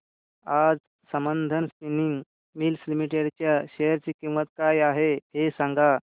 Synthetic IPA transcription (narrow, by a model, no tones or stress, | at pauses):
ad͡z | səmənd̪ʱənspiniŋɡ | milslimiʈeɽt͡ɕjaɕejəɾt͡ɕikiʋ̃ʋət̪̚kajaɦeɦesãŋɡa